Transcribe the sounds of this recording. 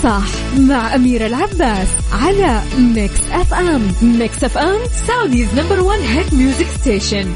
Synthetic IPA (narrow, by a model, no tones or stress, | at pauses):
sˤɑħ | maʕʔamiːɾalʕabːaːsʕalamɪksʔɛfʔammɪksʔɛfʔɛm | saʕd̪iːznambəɾwanɦɛt̪mjuːzɪkst̪eːʃan